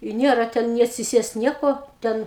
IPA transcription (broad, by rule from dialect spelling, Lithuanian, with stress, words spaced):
ɪ ˈnʲiɛrɐ ˈtʲɛn nʲɪ ɐtʲsʲɪˈsʲiɛst ˈnʲiɛkoː ˈtʲɛn